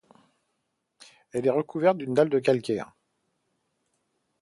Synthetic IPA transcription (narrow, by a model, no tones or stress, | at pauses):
ɛlɛʁəkʰuvɛʁt̪̚d̪ynd̪ald̪ək̬alkʲɛːʁ